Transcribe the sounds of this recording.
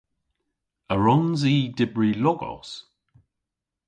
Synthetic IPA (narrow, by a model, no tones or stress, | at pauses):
əɹɔnziːdɪbɹilɔɡɔ̰s